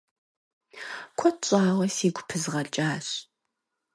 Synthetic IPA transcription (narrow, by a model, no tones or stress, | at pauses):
kʷʰɔt͡ʃʼaːwɐsiːɡʷʊpʰɨzʁɐɮt͡ʃʼaːɕ